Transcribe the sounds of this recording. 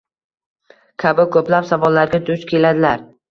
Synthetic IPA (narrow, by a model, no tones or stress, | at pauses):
kʲʰabɪkʰɵplapsavɒlːaɾɡʲad̪ʊt͡ʃ̪kʲʰe̞lad̪ɪlaɾ